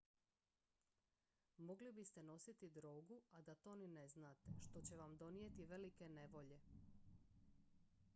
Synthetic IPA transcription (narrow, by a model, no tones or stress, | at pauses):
mo̞ɡlibist̪e̞no̞sit̪id̪ɾoːɡuad̪at̪o̞nine̞znaːt̪eʃt̪o̞t͡ɕe̞ʋamd̪o̞nije̞t̪iʋe̞like̞ne̞ʋo̞ʎe̞